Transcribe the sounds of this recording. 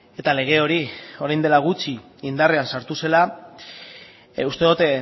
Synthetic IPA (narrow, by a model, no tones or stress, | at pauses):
e̞t̪ale̞ɣ̞e̞o̞ɾio̞ɾajnd̪e̞laɣ̞ut͡ʃi | ind̪are̞ansaɾt̪use̞la | ust̪e̞ðut̪e